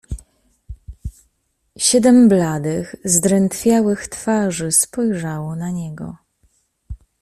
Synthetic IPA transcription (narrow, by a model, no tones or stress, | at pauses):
ɕɛd̪ɛmblad̪ɘɣzd̪ɾɛnt̪fʲjawɘxt̪faʐɘspɔjʐawɔnaɲɛɡɔ̰